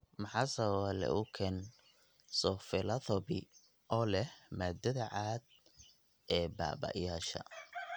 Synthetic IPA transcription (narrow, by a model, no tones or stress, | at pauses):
mɑħɑːsɐwalɛ̰ʔʊkʰɛn | sɔfɪlɐθɔbɪ | ʔɔːlɛhmaːd̪ɐðɐʕaːd̪̚ | ɛːba̰ːbɐ̰jaːʃɐ̰